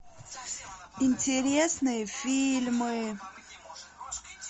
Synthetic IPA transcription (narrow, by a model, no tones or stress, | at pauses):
ɪnʲtʲɪɾʲesnɨjəfʲilʲmɨ